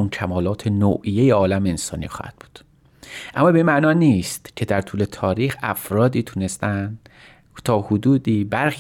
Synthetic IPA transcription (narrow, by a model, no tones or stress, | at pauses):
uncʰæmɒːlɒːt̪ʰe̞no̰ʔijejeɒːlæmeensɒ̰ːnḭxɒ̰ːhæ̰d̪̥̚b̥u̥ːd̪̥ | ʔæmːɒːbeinmæʔnɒːniːst̪cʰe̞d̪æɾt̪ʰuːle̞t̪ʰɒːɾiːxæfɾɒːd̪iːt̪ʰune̞st̪ænd̪ | t̪ʰɒːhod̪uːd̪iːbæɾx